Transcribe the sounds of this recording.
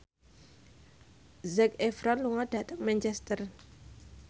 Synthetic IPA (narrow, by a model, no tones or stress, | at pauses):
zɛkɛfɾanluŋad̥a̤t̪əŋmɛnt͡ʃɛst̪ər